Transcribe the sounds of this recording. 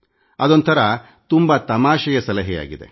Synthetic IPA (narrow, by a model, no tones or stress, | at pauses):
ɐd̪ont̪ʰɐɾɐ | t̪umbɐt̪ɐmaːʃɐjɐsɐlɐɦɛja̰ːɡid̪e̞̰